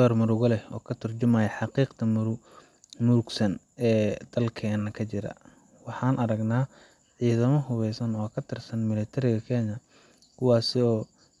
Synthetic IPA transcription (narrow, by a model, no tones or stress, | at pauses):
d̪ɔːrmʊɾʊɣʊlɛɔːkʰɐt̪ʰɐrt͡ʃɪmaːjɐħɑqiːqt̪ʰɐmʊɾʊ | mʊɾɡsɐn | ɛːd̪̥ɐlkʰɛːnːɐkʰɐt͡ʃɪɾɐ̰ | wɑħɑːnʔɐɾɐɡnaː | ʕiːðɐmɔɦʊβɛjsɐnɔːkʰɐt̪ʰɛrsɐnmɪlɛt̪ʰɐɾɪɣɐkʰɛːɲɐ | kʰʊwɑːsɪɔː